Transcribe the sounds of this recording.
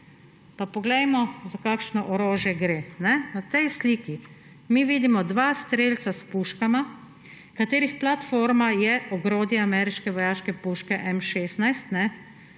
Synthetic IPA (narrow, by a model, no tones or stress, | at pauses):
papɔɡlɛjmɔzakaːkʃnɔʔɔɾoːʒjɛɡɾeːnɛnat̪ɛjsliːki | miʋiːd̪imɔd̪ʋaːst̪ɾeːlt̪saspuʃkama | kat̪eːɾixplat̪foːɾmajɛʔɔɡɾoːd̪jiamɛːɾiʃkɛʋɔjaːʃkɛpuːʃkɛʔɛmʃeːsnajst̪nɛ